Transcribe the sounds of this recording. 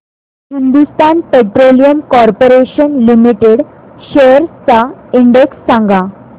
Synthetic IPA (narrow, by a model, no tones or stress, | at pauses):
hind̪ust̪anpeʈɾolijəmkɔɾpoɾeɕənlimiʈeɽ | ɕeəɾt͡saiɳɖeksːãŋɡa